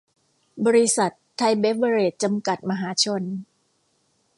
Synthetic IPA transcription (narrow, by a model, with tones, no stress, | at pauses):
bɔː˧ɾi˦˥sa˨˩t̪ʰːa˧jbe˦˥p̚ba˧ɾeː˨˩t̪̚t͡ɕa˧mka˨˩t̪̚ma˧ɦaː˩˦t͡ɕʰo˧n